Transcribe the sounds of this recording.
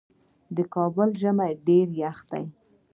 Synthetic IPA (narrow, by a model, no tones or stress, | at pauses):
d̪əkɑbʊlʒəmajɖeɾjaxt̪a̰j